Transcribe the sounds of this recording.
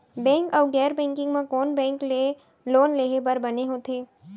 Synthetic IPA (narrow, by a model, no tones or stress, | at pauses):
bɛ̃ːŋkɔːɡɛːɾbɛ̃ːŋkɪ̃ŋɡmãkɔːnbɛ̃ːkle | loːnleːɦebəɾbɐneɦoːt̪ʰeː